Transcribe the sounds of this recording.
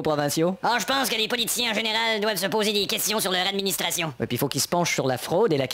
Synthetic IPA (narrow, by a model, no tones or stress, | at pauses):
pʁɔvɛ̃sjoɔʒəpɑ̃skəlepɔlit̪i̥sjɛ̃ɑ̃ʒeneʁald̪wavsəpoːzed̪ekʲɛst̪jɔ̃syʁlœʁad̪minist̪ʁasjɔ̃wḭpilfokilsə̥pɑ̃ʃsyʁlafʁoːd̪elak